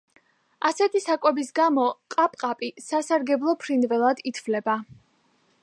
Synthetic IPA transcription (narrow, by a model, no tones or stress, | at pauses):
asɛt̪ʰisakʼwɛbisɡamɔqʼapʼqʼapʼisasaɾɡɛblˠɔpʰɾinvɛlˠad̪it̪ʰvlɛba